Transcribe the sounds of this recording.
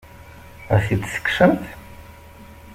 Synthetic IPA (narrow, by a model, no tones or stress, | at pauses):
æθid̪sə̥kːsəmθ